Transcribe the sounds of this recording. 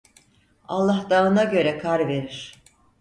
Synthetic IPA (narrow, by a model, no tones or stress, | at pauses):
alˠːahd̪aːɯnaɟø̞ɾɛkʰaɾve̞ɾiɾ̥